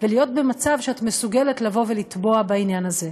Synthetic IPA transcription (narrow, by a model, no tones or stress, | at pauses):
velijo̞t̚be̞mat͡savʃeat̪me̞suɡe̞letlavo̞ve̞lit̪bo̞abainjanaze̞